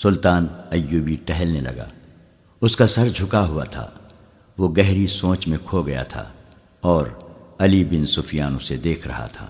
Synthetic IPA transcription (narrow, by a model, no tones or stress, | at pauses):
sʊlt̪aːnɐjːuːbiʈɛɦɛlnelɐ̰ɡa̰ː | ʊskasɐɾd͡ʒʱʊkaɦʊa̰t̪ʰa̰ | ʋoɡɛɦɾisõːt͡ʃmẽkʰoɡɐja̰t̪ʰa̰ː | ɔːɾɐlibɪnsʊfjaːnõsed̪eːkʰɾɐ̰ɦa̰t̪ʰa̰ː